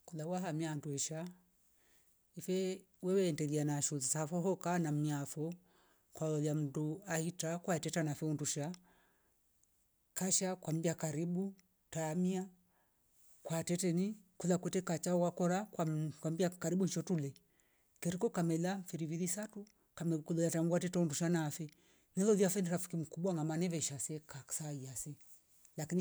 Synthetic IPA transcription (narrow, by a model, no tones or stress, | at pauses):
kulawaɦamianduɛʃa | ifɛ | wɛwɛːndɛðianaʃuzsafɔɦɔkanam̩iafɔ | kwalɔljam̩duahitakwaɛtɛtanafɛunduʃa | kaʃakwambiakaɾibu | taːmia | kwatɛtɛnikuðakwɛtɛkat͡ʃaɔwakɔɾakakwambiakaɾibuɲt͡ʃɔtulɛ | kɛɾikɔkamɛlafiɾiviðisatu | kamɛkulɔjataŋɡwatɛtɛunduʃanafɛ | nɛlɔðiafɛndiɾafi̥kim̩kubwaŋɡamanɛvɛʃasɛkḁsaiasɛ | lakini